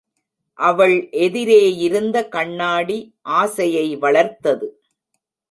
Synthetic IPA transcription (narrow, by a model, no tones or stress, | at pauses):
ʔɐʋɐɭʔɛðɪɾeːjɪɾɯnd̪ɐkɐɳːaːɽi | ʔaːsɐjɐɪʋɐɭɐɾt̪ːɐðɯ